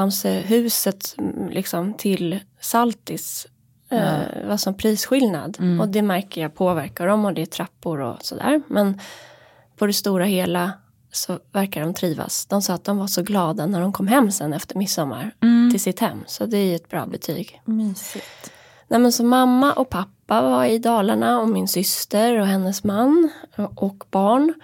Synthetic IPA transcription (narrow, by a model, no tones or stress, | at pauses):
amsəɦʉ̟ːsət̪lʔɪ̰ksɔmt̪ʰɪl | salt̪ɪs | vaʂɔmpʰɾiːsɧɪlna̰d̪ɔd̪ɛmæɾkəjapʰoːvæɾkaɖɔmɔd̪ɛːt̪ʰɾapːʊɾɔ̰sɔd̪æ̰ːɾmɛn | pʰɔd̪ɛst̪uːɾaheːla | sɔvæɾkaɖɔmt̪ʰɾiːva̰sd̪̥ɔmsɑːt̪̚d̪ɔmvaʂɔɡlɑːd̪anæɖɔmkʰɔmːɦɛmːsɛnːɛft̪əɾmɪsːɔmːa̰ɾt̪ʰɪlsɪt̪hɛ̰mːsɔd̪ɛæjɛt̪̚bɾɑ̰ːbɛt̪ʰy̰ːɡsɪt̪ | nʔɛjmɛnsɔmːamːaʔɔkpʰapːavaɾɪd̪ɑːlaɳaɔmɪnsʏst̪əɾɔɦɛnːəsmanːʔɔkb̥ɑːɳ